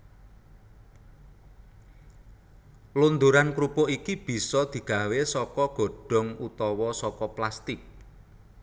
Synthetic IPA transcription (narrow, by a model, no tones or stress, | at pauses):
lund̪uɾankɾupoʔikib̥i̤sɔd̪̥i̤ɡ̥ä̤wesɔkɔɡ̥o̤ɖ̥ɔ̤ŋut̪ɔwɔsɔkɔplast̪ɪk̚